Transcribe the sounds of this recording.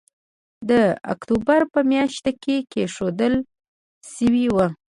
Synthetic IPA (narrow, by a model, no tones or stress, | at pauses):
d̪əa̰kt̪ubaɾpəmjɑʃt̪akekeʃod̪əl | ʃəwiwə